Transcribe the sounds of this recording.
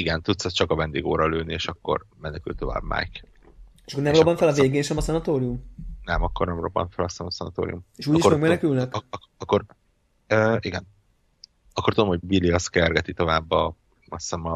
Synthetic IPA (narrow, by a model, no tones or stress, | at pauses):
iɡɛnt̪ut̪sɛst͡ʃɒkɒvɛnd̪ḛːɡo̰ːɾɒløːnieːʃɒkːo̞̰rmɛnɛky̰lt̪ːo̞va̰ːbma̰ːjk | eʃɒkornɛmobːɒɱfɛlɒveːɡeːʃɛmɒsɛnɒt̪oːɾiumnɛmɒkːornɛmro̞̰bːɒ̰ɱfɛlɒsɛnsɛnɒ̰t̪o̰ːɾḭjumeʃuːɟiʃkːomɛɡmɛnɛkylnɛk | kːoɾ | øːiɡɛn | ɒkːort̪ud̪omho̞ɟbiliɒskɛrɡɛt̪it̪o̞vaːbːɒ | mɒsɛmɒ